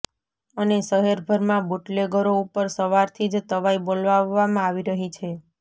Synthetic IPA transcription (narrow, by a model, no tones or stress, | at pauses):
ənesəɦeɾbʱəɾmãboʈleɡʱəɾoupəɾsəʋaɾt̪ʰid͡ʒt̪əʋaibolʋaʋːamãaʋiɾəɦit͡ʃʰe